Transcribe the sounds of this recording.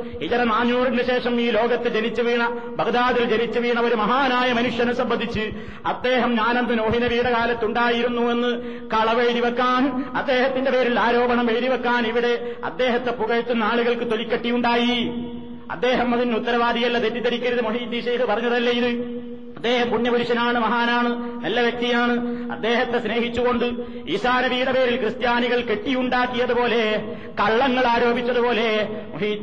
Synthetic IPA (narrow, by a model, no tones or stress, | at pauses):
hit͡ɕɐɾɐnaːɲːuːrinɨɕe̞ːʂɐmiːlo̞ːɡɐt̪ːed͡ʑenit͡ɕːɨʋiːɳɐ | bʱɐɣd̪aːðild͡ʑenit͡ɕːɨʋiːɳɐʋo̞ɾumɐɦaːnaːjɐmɐnuʂjɐnusɐmbɐnd̪ʱːit͡ɕːɨ | ɐd̪ːe̞ːɦɐmɲaːnɐnd̪ɨnoːɦinɐʋiːɽɐkaːlɐt̪ːuɳɖaːjiɾunːue̞nːɨ | kɐɭɐʋeɻɾiʋɐkːaːnɐd̪ːe̞ːɦɐt̪ːinde̞peːɾiɭaːɾo̞ːbɐɳɐmʋeɻɾiʋɐkːaːniʋiɽe̞ɐ̰d̪ːe̞ːɦɐt̪ːe̞puɣɐjit̪ːunːaːɭuɣɐɭkɨt̪o̞likʲːɐʈːijuɳɖaːji | ɐ̰d̪ːe̞ːɦɐmɐðinut̪ːɐɾɐʋaːd̪ijɐlːɐd̪etːit̪ɐɾikʲːɐɾɐðɨmoɦiːt̪ːiɕeːhɨpɐrɐɲːɐðɐlːɐjiðɨ | ɐd̪ːe̞ːhɐmpuɳːjɐbɐɾuɕɐnaːɳɨmɐɦaːnaːɳɨnɐlːɐʋjɐk̚t̪ijaːɳɨɐ̰d̪ːe̞ːɦɐt̪ːe̞sne̞ːɦit͡ɕːuɣo̞ɳɖɨ | iːsaːnɐʋijːuɽɐpe̞ːɾilkrɨst̪jaːniɣɐɭke̞ʈːijuɳɖaːkːijɐðupo̞ːle̞ | kɐɭːɐŋːɐɭaːɾo̞ːbʱit͡ɕːɐðupo̞ːle̞moɦiː